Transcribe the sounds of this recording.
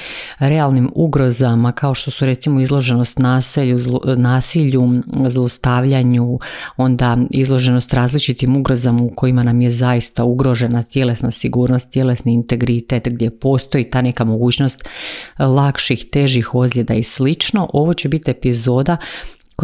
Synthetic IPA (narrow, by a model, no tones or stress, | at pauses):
ɾealˠnimuɡɾo̞zamakao̞ʃt̪o̞suɾe̞t̪simo̞izlˠo̞ʒe̞no̞st̪naːseʎuznaːsiʎuzlˠost̪aʋʎaɲuo̞nd̪aizlˠo̞ʒe̞no̞st̪ɾaːzlit͡ʃit̪imuɡɾo̞zamauko̞imanamje̞zajist̪auɡɾo̞ʒe̞nat̪je̞le̞snasiɡuːɾno̞st̪ːje̞le̞sniːnt̪e̞ɡɾit̪e̞t̪ɡd̪je̞po̞ːst̪o̞it̪aːne̞kamo̞ɡuːt͡ɕno̞st̪lˠakʃixt̪e̞ʒixo̞zlʎʲe̞d̪aislit͡ʃno̞ʔo̞ʋo̞t͡ɕe̞bit̪ie̞pizo̞ːd̪a